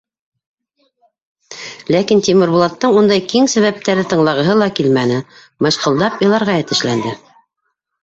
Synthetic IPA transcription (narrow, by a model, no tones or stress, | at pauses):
lækint̪ʲimɘ̆ɾβulˠɑt̪ːɤɴund̪ɑjkiŋsæ̆βæp̚t̪æɾɘt̪ɤ̆ɴlˠɑʁɤ̆ɦɤlˠɑkilmænɘ | mɤ̆ʃqɤ̆lˠd̪ɑpjɤ̆lˠɑɾʁɑjæt̪ɘ̆ʃlænd̪ɘ